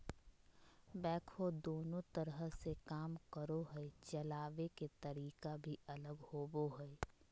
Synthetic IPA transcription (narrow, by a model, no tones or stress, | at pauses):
bɛːkʰod̪oːnõt̪əɾəɦəsekaːmkəɾoɦɛet͡ʃɐlaːʋeket̪ɐɾiːkabʱiɐləɡhoːboɦɛ